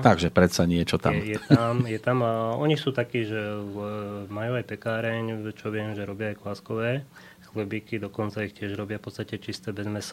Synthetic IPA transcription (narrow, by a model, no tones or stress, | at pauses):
t̪aɡʒɛpɾɛt̪saɲɪɛt͡ʃɔt̪a̰ɛmjɛt̪amjɛt̪amaɔɲixsuːt̪akiːʒɛ | majuːajpɛkaːɾɛɲt͡ʃɔʋɪɛmʒɛɾɔbɪaːjklaskɔʋɛː | xlɛbiːkid̪ɔkɔnt͡saixcɪɛʒɾɔbɪafpɔtt͡st̪acɛt͡ʃist̪ɛːbɛzmɛsa